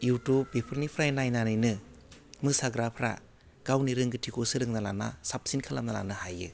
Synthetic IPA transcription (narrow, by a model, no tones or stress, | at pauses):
juwtubbepʰɯɾnipʰɾajnajnanɯjnɯ | mɯsaɡɾapʰɾa̰ | ɡ̥awniɾɯŋɡɯtʰikʰosɯɾɯŋnala̰na̰sap̚sinkʰalamnala̰nɯhajɯ